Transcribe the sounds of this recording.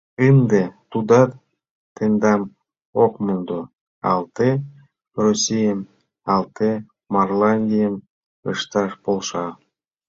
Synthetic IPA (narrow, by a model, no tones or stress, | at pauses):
ɨnd̪et̪ud̪ɑt̪ | t̪end̪ɑm | okmund̪o | ɑ̰lˠt̪e | rosʲijəm | ɑlˠt̪e | marlɑnʲd̪ʲijəm | ɯ̰ʃt̪ɑʃpolˠʃɑ